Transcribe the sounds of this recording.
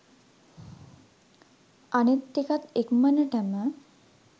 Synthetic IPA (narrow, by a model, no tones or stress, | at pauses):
anet̪ːikat̪ekmənəʈəmə